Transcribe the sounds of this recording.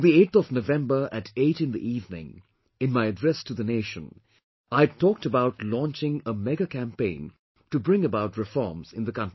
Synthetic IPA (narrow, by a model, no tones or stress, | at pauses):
ðieɪtθɔvnovɛ̃mbə˞ʔɨɾeɪɾɨ̃nðḭʔivnɪ̰̃ŋ | ɨ̃nmaɪɨdɹɛstʰɨðɨneɪʃə̰̃n | aɪtʰɔk̚təbaʊtlɔ̃nt͡ʃɪ̃ŋəmɛɡɨkʰæ̃mpẽɪ̃n | tɨbɹɪ̃ŋɨbaʊtɹɨfɔ̰ɹmz̥ɪ̃nðɨkʌ̃nti